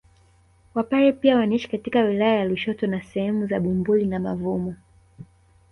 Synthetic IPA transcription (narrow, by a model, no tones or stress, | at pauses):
wapaɾɛpiawaniʃi̥katikawilajajaluʃɔtɔnasɛhɛmuzaɓumbulinamavumɔ